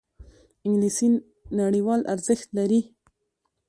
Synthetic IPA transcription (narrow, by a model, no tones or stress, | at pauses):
ɪŋɡlisi | naɽiwɑlʔa̰ɾzəxt̪laɾi